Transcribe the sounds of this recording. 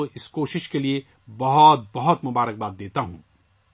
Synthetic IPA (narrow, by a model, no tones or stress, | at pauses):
oɪskoːʃɪʃkelie | bɐɦɔt̪̚bɐɦɔt̪mʊbaːɾək̚baːd̪ːeːt̪aɦũː